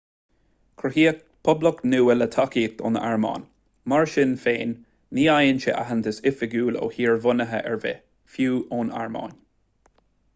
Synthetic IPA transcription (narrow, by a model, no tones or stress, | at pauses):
kʰɹəhiːə | pʰʊbləknuːələt̪ʰakiːt̪ɔ̰nə̰ʔaɹmɑ̰ːn | maɹʃɪnfeːnː | iːajənt͡ʃə̰ʔa̰ɦənt̪əsɪfɪɡuːlo̰ːhiːɹvʊnəɦəʔɛ̰ɹvḛ | fjuːʔoːna̰ɹmɑ̰ːn